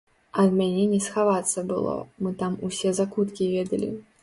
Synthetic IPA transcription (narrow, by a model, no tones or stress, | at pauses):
ɐd̪mʲanʲɛnʲɛsxavat̪sːɐbɨ̰lˠɔ̰mɨt̪amusʲɛzakut̪kʲivʲɛd̪ɐlʲḭ